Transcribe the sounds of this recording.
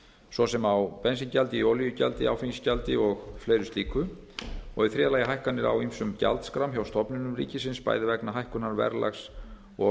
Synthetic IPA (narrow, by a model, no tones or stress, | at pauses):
sɔsɛmawpɛnsɪncalt̪ɪioːwlijʏca̰lt̪ɪawfiɲscalt̪ɪɔɣflejɾʏst̪iːkʰʏ | ɔɣɪθɾɛːðalaːjɪɦajhkanːɪɾa̰wimsʏmca̰lt̪skɾawmçawst̪ʰɔpnɪnʏmɾḭːcɪsɪnspa̰ːjðɪvɛknaɦajhkʏnaɾvɛ̰ɾla̰xs | ɔ